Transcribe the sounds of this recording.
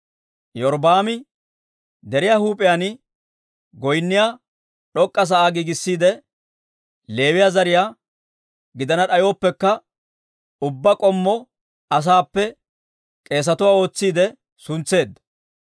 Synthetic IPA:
jɔɾbaːmɪ | d̪ɛɾɪjaːhuːpʼɪjanɪ | ɡɔjnːɪjaː | ɗɔkʼːɐs̬ɐʔaːɡiːɡɪsːiːd̪ɛ | le̞ːwɪjaːzɐɾɪjaː | ɡɪd̪ɐnɐɗɐjo̞ːpːɛkːɐ | ʊbːɐkʼɔmːɔ | ɐs̬aːpːɛ | kʼe̞ːs̬ɐt̪ʊwaːo̞ːt͡sːiːd̪ɛ | sʊnt͡sːe̞ːd̪ːɐ̥

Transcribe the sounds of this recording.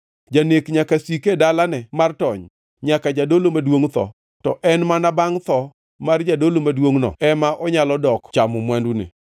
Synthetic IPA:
d͡ʒanekɲakasikedalanɛmartɔɲ | ɲakad͡ʒadolomadwoŋt̪ɔ̰ | tɔʔɛnmanabaŋt̪ɔ | mard͡ʒadolomadwoŋnɔ̰ɛmaʔɔɲalɔdɔkt͡ʃamɔmwandunḛ

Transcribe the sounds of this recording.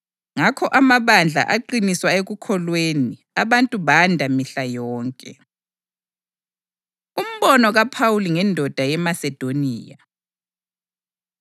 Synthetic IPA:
ŋakʰɔʔamaβand͡ɮʱa̰ʔaǃiniswaeɣukʰɔlweni | aβantʼuβandʱamiɬajɔːŋkʼɛ̰ | um̩βɔnɔɣapʰawuliŋɛndʱɔd̥ʱajɛmasɛd̥ʱoniːja

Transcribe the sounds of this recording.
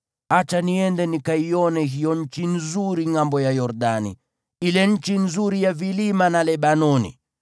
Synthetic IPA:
at͡ʃaniɛndɛnikaiɔnɛɦijɔɲ̩t͡ʃinzuɾiŋambɔjajɔɾɗanḭ | ilɛɲ̩t͡ʃinzuɾijavilimanalɛɓanɔnḭ

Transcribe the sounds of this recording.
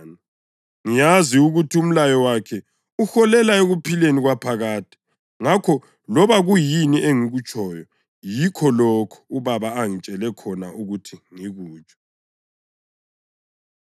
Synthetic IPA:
ni | ŋijaziuɣutʰium̩lajɔwakʰɛ | uxɔlɛlaeɣupʰileniɣwapʰaɣaːtʰi̥ | ŋakʰɔ | lɔβaɣujiniʔeŋiɣut͡ʃʼʰɔjɔ | jikʰɔlɔkʰɔ̥uβaβaːŋit͡ʃʼɛlɛkʰɔnauɣutʰiŋiɣuːt͡ʃʼɔ̥

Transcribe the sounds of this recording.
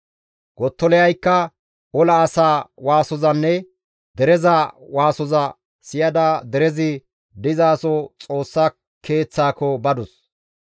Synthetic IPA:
ɡɔt̪ːɔlɛɐjkːɐ | ɔlɐːsaːwaːsɔzɐnːɛ | d̪ɛɾɛzɐwaːsɔzɐ | sɪjɐd̪ɐd̪ɛɾɛzɪ | d̪ɪzaːsɔt͡sʼo̞ːsːa | kʰe̞ːt͡sːaːkɔbɐd̪ɔs

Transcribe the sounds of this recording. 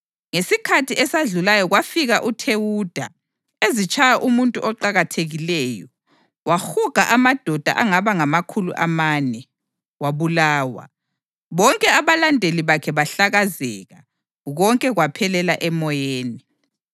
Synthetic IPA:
ŋesikʰatʰiɛsaɮulajɔɣwafiɣaʔutʰewud̥ʱa̰ | ezit͡ʃʼʰajaʔumuntʼuʔɔǃaɣatʰeɣilɛːjɔ | waxuɡ̥ʱaʔamad̥ʱɔd̥ʱa̰ʔaŋaβaŋamakʰulṵʔamaːnɛ | waβulaːwa̰ | βɔŋkʼɛaβalandʱeliβakʰɛβaɬaɣazɛːɣa | ɣɔŋkʼɛɣwapʰɛlɛlaʔɛmɔjeːni

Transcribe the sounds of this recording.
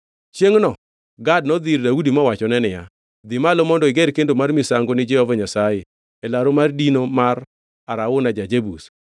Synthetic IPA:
t͡ʃjeŋnɔ | ɡad̚nɔd̪irdaudimɔwat͡ʃɔnɛnɪja | d̪ɪmalomɔndɔɪɡɛɾkendomarmɪsaŋɡonɪd͡ʒɛɔvaɲasaje | ɛlaɾomardinomar | aɾaʊnad͡ʒad͡ʒebus

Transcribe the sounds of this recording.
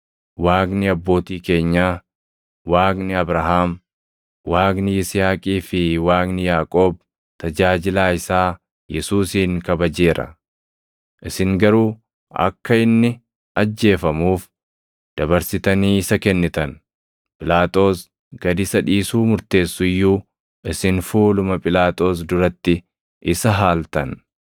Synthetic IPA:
waːknɪɐbːo̞ːt̪iːke̞ːɲːaː | waːknɪɐbɾɐɦaːm | waːknɪjɪsɪhaːkʼiːfɪwaːknɪjaːkʼo̞ːb̚ | t̪ɐd͡ʒaːd͡ʒɪlaːɪsaː | jɛsuːsiːŋkɐbɐd͡ʒe̞ːɾɐ̰ | ʔɪsɪŋɡɐɾuː | ɐ̰kːɐɪnːɪ | ɐd͡ʒːe̞ːfɐmuːf | d̪̥ɐbɐɾsɪt̪ɐniːɪsɐkɛnːɪt̪ɐn | pʼɪlaːt̪ʼo̞ːs | ɡɐd̪ɪsɐᶑiːsuːmʊɾt̪e̞ːsːʊɪjːuː | ʔɪsɪnfuːlʊmɐpʼɪlaːt̪ʼo̞ːs̬d̪ʊɾɐt̪ːɪ | ʔɪsɐɦaːlt̪ɐn

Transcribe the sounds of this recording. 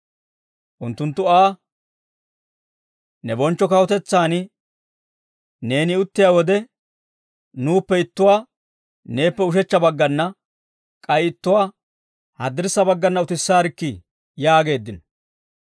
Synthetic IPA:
ʔʊnt̪ːʊnt̪ːʊaː | nɛbɔnt͡ʃːɔkɐwɔt̪ɛt͡sːaːnɪ | ne̞ːnɪʊt̪ːɪjaːwɔd̪ɛ | nuːpːɛɪt̪ːʊwaː | ne̞ːpːɛʊʃ̬ɛt͡ʃːɐbɐɡːɐnːɐ | kʼɐjɪt̪ːʊwaː | hɐd̪ɪɾsːɐbɐɡːɐnːɐʊt̪ɪsːaːɾɪkːɪ | jaːɡe̞ːd̪ːɪnɔ

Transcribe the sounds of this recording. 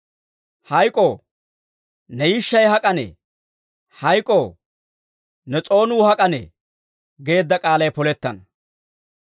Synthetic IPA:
hɐjkʼo | nɛjɪʃːɐjhɐkʼɐnḛː | hɐjkʼoː | nɛt͡sʼo̞ːnuːhɐkʼɐnḛː | ɡe̞ːd̪ːɐkʼaːlɐjpɔlɛt̪ːɐnɐ

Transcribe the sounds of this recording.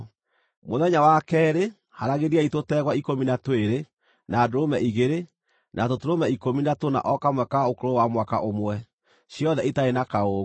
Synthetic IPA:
moðɛɲawakɛɾe | haɾaɣeɾiaitotɛɣwaikominatoeɾe | naːdoɾomɛʔiɣeɾe | nʔatotoɾomɛikominatona̰ʔɔkamwɛkaokoɾowamwaka̰ʔomwɛ | ɕjɔðɛetaenakaoɣ

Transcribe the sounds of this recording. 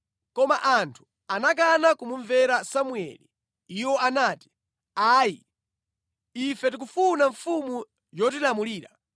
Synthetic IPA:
kɔmaʔantʰu̥ | anak̬anakumuɱvɛɾasamuɛ̰li | iwɔanaːti̥ | aːji | ifɛt̬ik̬ufunaɱfumu | jɔt̬ilamuliːɾa

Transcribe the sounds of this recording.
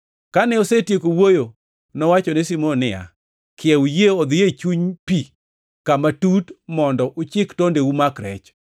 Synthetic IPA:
kanɛosetjekowojo | nɔwat͡ʃɔnesimonɪa̰ | kʰɪɛwujeod̪ɪjet͡ʃuɲpi | kamatutmɔndɔʔʊt͡ʃɪktondeumakɾɛ̰t͡ʃ

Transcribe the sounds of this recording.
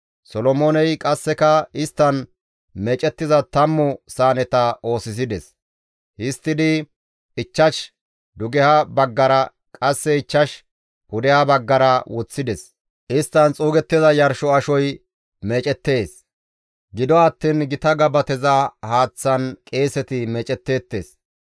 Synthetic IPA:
sɔlɔmoːnɛjkʼɐsːɛkɐɪst̪ːɐn | meːt͡ʃʼɛt̪ːɪzɐt̪ɐmːʊsaːnɛt̪ɐo̞ːsɪs̬ɪd̪ɛs | hɪst̪ːɪd̪ɪ | ɪt͡ʃːɐʃ | d̪ʊɡɛhɐbɐɡːɐɾɐ | kʼɐsːɛɪt͡ʃːɐʃ | hʊd̪ɛhɐbɐɡːɐɾɐwɔt͡sːɪd̪ɛs | ʔɪst̪ːɐnt͡sʼuːɡɛt̪ːɪzɐjɐɾʃɔɐʃɔj | meːt͡ʃʼɛt̪ːe̞ːs | ɡɪd̪ɔɐt̪ːiːnɡɪt̪ɐɡɐbɐt̪ɛzɐhaːt͡sːɐnkʼe̞ːsɛt̪ɪmɛːt͡ʃʼɛt̪ːe̞ːt̪ːe̞̰ːs

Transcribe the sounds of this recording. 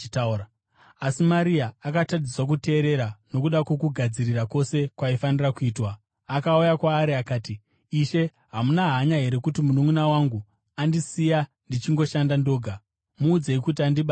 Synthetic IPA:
t | asimaɾiaːkatadiswak̬ute̞ːɾe̞ɾano̞kuɗakwo̞kuɡʱad͡zirirako̞se̞kwaifanirakuiːtwaː | kaujakwaːɾiakaːtiː | ʃe̞ | ɦamunaɦaɲaɦe̞ɾe̞kutimunumunawaŋɡu | andisija | ndit͡ʃiŋɡo̞ʃandando̞ːɡʱa | muːd͡ze̞ikut̬iandiɓa

